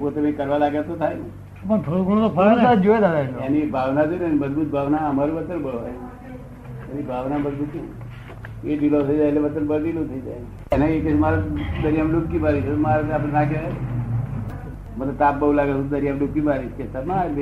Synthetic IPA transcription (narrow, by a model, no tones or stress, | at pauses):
pot̪eməikəɾʋalaɡjat̪ot̪ʰajne | opəɳt̪ʰoɽuɡʱəɽ̃ot̪opʰəlad͡ʒoed̪aɾaeanibʱaʋnad͡ʒoneməd͡ʒbut̪̚bʱaʋnaəmaɾiʋət̪ːənbəɭoʋae | anibʱaʋnaməd͡ʒbut̪t͡ʃe | eɖilot̪ʰəid͡ʒajleʋət̪ːənbəɭɖilot̪ʰəid͡ʒaj | eneeket͡ʃmaɾad̪əɾijamlokkːibʱaʋit͡ʃʰet̪omaɾapɽenake | mənet̪apbəulaɡət̪õd̪əɾjamlukibaʋit͡ʃkest̪amad̪e